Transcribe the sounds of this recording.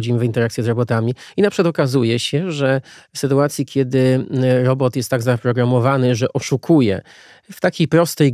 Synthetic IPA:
d͡ʑimvint̪ɛɾakt̪sʲjɛzɾɔbɔt̪amʲiinapʂkat̪ɔkazujɛɕɛʐɛfsɘt̪uat̪sʲjikʲjɛd̪ɘɾɔbɔt̪jɛst̪ːaɡzapɾɔɡɾamɔvanɘʐɛʔɔʂukʰujɛ̰ | ft̪akʲejpɾɔst̪ɛj

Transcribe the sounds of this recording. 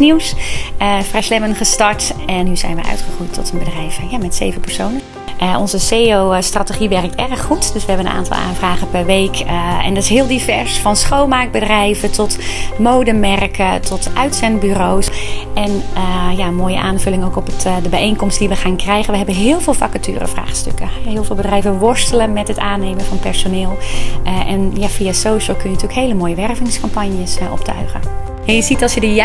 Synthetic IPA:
niwsəfrɛjslɛmənχəstɑɹtɛnɦyzɛ̰jnʋə̰ʔœ̰ɥtχəχujtʰːɔtənbədrɛjvəjamɛtsejvəpɛɹsownən | ʔəʔɔnzəseːowstrateχiʋɛrk̚tɛrχːutd̥øsʋəɦɛbənəna̰ːntɑ̰lˠʔa̰ːnvraːχəpɛɹʋejkɛ̰ndɑtɪ̥sɦɪːlˠdivɛɹsfɑnsχoːlˠmaːk̚bədrɛjvətʰɔtmowdəmɛrkʰətʰɔtʰʔœɥtsɛndbyrowsʔɛnjaənmoːjə̰ʔaːnvlɪŋowkɔpətdəbɛjejnkɔmstdiʋəχaːnkrɛjɣənʋəɦɛbəɦɪːlˠvɪːlˠfakətʰy̰ːrə̰fra̰ːχstø̰kəɪːlˠvɪːlˠbədrɛjvəʋɔɹstələnmɛtɦətaːneːmənvɑnpɛɹsonɪːlˠʔɛnjafiasowʃəlˠkɵnjəntyːəkɦejləmoːjəʋɛrvɪŋskɑmpanjəsʔɔ̰ptʰœ̰ɥɣə̰ | ɛjəzitɑlˠsjədə

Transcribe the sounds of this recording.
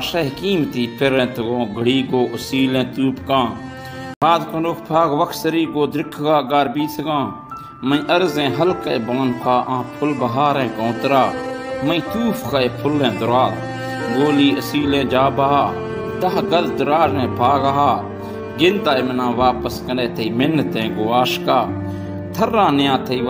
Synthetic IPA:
ʃəɦkiːmt̪iːpʰɪɾɛ̃ːt̪ʰəɡõːɡʱəɽiːɡoːʔəsiːlɛ̃ːt̪uːpʰkãː | baːd̪kənoːkʰpʰaːɡʋəkʰsəɾiːɡoːd̪ɾɪkʰɡaːɡaːɾbiːt̪ʰɡãː | məĩʔəɾzɛ̃ːɦəlkaebaːnpʰaːʔãːpʰʊlbɐɦaːɾɛ̃ːkõːt̪ɾaːməĩːt̪uːpʰkaepʰʊlɛ̃ːd̪ʊɾaːt̪ | ɡoːliːəsiːlɛ̃ːd͡ʒaːbaːɦaː | d̪əɦɡəld̪ʊɾaːɾɛ̃ːpʰaːɡaɦaː | ɡɪnd̪aːemənãːʋaːpəskəneːt̪ʰəiːmɪnːət̪ɛ̃ːɡoːaːʃkaː | t̪ʰəɾːãːnɪjãːt̪ʰəi

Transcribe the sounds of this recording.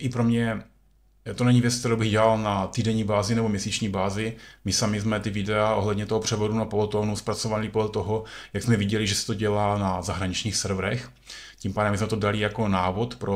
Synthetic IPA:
ʔɪpɾo̞mɲɛ | t̪onɛɲɪvjɛt͡sk̚t̪ɛɾowbɪɣɟɛlalnat̪iːdɛɲiːbaːzɪnɛbomɲɛsiːt͡ʃɲiːbaːzɪmɪsamɪzmɛt̪ɪvɪdɛaʔo̞ɦlɛdɲɛt̪o̞ɦopr̥ɛvo̞dunapolot̪onuspɾat͡sovalɪpodlɛt̪o̞ɦojaɡzmɛvɪɟɛlɪʒɛsɛ̥t̪oɟɛlaːnazaɦɾaɲɪt͡ʃɲiːxsɛɾvɾɛx | cimpaːdɛmːɪzmɛt̪odalɪjako̞naːvo̞t̪pɾo

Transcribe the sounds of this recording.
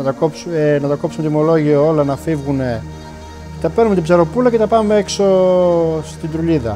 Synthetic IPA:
ɐt̪ɐkopsuenɐt̪ɐko̞psmet̪imo̞lo̞ʝioo̞lɐnɐfivɣune̞ | t̪ɐpeɾnumet̪ibzɐɾo̞pulɐce̞t̪ɐpɐmeekso̞ | st̪id̪ɾuliðɐ

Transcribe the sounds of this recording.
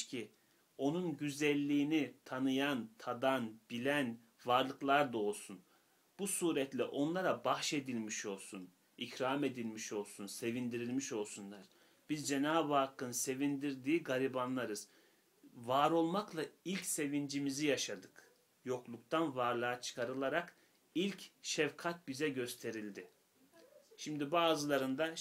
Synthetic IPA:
cʰi | o̞nunɟyzælʲːiːnit̪ʰanɯjant̪ʰad̪anbilʲæn | vaɾlˠɯklˠaɾd̪ao̞lˠsun | b̥usuːɾɛt̪lʲɛʔo̞nlˠaɾabaxʃe̞d̪ilʲmiʃo̞lˠsun | icɾaːme̞d̪ilʲmiʃo̞lˠsunse̞vind̪iɾilʲmiʃo̞lˠsunlˠaɾ̥ | b̥izd͡ʒenaːbaːkːɯnse̞vind̪iɾd̪iːɡaɾʲibanlˠaɾɯz̥ | vaːɾo̞lˠmaklˠailʲcse̞vind͡ʒimizijaʃad̪ɯk | jo̞klˠuk̚t̪ʰanvaɾlˠaat͡ʃʰɯ̥kʰaɾɯlˠaɾak | ilʲcʃɛvkʰat̪̚bizɛɟø̞st̪ʰe̞ɾilʲd̪ɪ | ʃimd̪ibaːzɯlˠaɾɯnd̪a

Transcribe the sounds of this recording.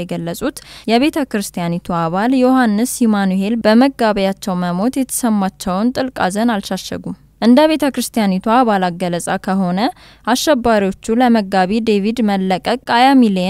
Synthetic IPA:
ɛɡəlːəsʼut̪jɛβe̞t̪ʰəkɾɨst̪ʰijanit̪ʰuaβaljohanːɨsːimanuhe̞lb̥əməɡaβəjat͡ʃːɛwməmo̞t̪jɛt̪ʰə̥səmːat͡ʃːɛwnt̪ʼɨlkʼa̰zənalʃaʃːɛ̰ɡu | ʔɨnd̪əβe̞t̪ʰəkɾɨst̪ʰijanit̪ʰuaβalaɡələsʼakʰəɦo̞nə | aʃːɛbːaɾiwo̞t͡ʃːuləməɡːaβid̪e̞vid̪məlːəkʼəkʼajamil

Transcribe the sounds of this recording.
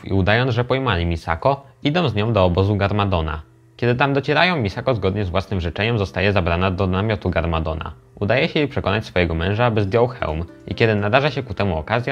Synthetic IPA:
ḭud̪ajɔnʐɛpɔjmalʲimʲisa̰kɔid̪ɔ̃w̃zɲɔ̃w̃d̪ɔːbɔzuɡaɾmad̪ɔna̰ | kʲɛd̪ɘt̪amd̪ɔt͡ɕɛɾajɔ̃w̃mʲisakɔzɡɔd̪ɲɛzvwasnɘmʐɘt͡ʂɛɲɛmzɔst̪ajɛzabɾanad̪ɔnamʲjɔt̪uɡaɾmad̪ɔna̰ | ud̪ajɛɕɛjepʂɛkɔnat͡ɕʲsfɔjɛɡɔmɛ̃w̃ʐaabɘzd̪jɔwxɛ̰wm | ḭkʲɛd̪ɘnad̪aʐaɕɛkut̪ɛmuɔkazʲja

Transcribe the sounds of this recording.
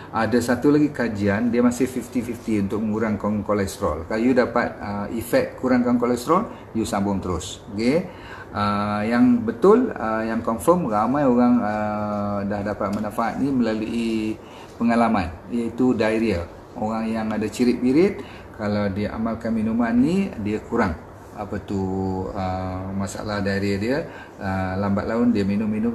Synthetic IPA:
ʔadasat̪ulaɡikad͡ʒiandiəmasɪhfift̪ifift̪iunt̪ʊk̚məŋuɾaŋkankolɛst̪ɾɔlkalajudapat̪̚əifɛkt̪̚kuɾaŋkankolɛst̪ɾɔl | jusambʊŋt̪əɾʊs | oke | əjaŋbət̪ʊləjaŋkɔmfəmramãjoɣaŋə | dahdapat̪̚mənafaɦa̰t̪̚niməlaluʔi | pəŋalamanijəit̪udaiɾiə | oɣaŋjaŋadat͡ʃiɾɪk̚biɾɪt̪̚ | kalawdiʔa̰malkanminumanːidiəkuɾaŋ | apət̪uəmasa̰lahdaiɾiədiə | əlambat̪̚laʊndiəminʊmːinʊm

